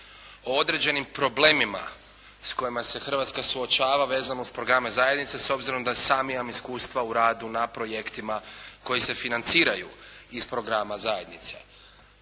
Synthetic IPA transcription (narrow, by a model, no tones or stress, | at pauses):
o̞o̞d̪ɾe̞d͡ʑe̞nimpɾo̞ble̞ːmima̰ | sko̞jimase̞xər̩ʋat̪skasuo̞t͡ʃaːʋaʋe̞ːzanouspɾoɡɾamezajed̪nit̪seso̞bziɾo̞md̪aesaːmijamiskuːst̪ʋauɾaːd̪unapɾo̞je̞kt̪imako̞jise̞finant̪siːɾajuispɾo̞ɡɾamazaje̞d̪nit̪se̞̰